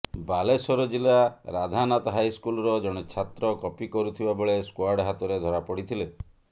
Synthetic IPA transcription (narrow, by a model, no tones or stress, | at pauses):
balesɔɾɔd͡ʒilaɾad̪ʱanat̪ɔɦajskulɔɾɔd͡ʒɔɽ̃et͡ʃʰːat̪ɾɔkɔpikɔɾut̪ʰibabeɭeskwaɾɖɦat̪ɔɾed̪ʱɔɾapɔɽit̪ʰile